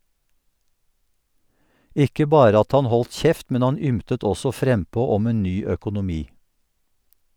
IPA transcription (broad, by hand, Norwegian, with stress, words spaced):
ˈʔɪkə ˈbɑːɾə ˈɑt ˈhɑn ˈhɔlt ˈçɛft ˈmɛn ˈhɑn ˈʏmtət ˈɔsɔ ˈfɾɛmˌpoː ˈɔm ˈeːn ˈnyː œkʊnʊˈmiː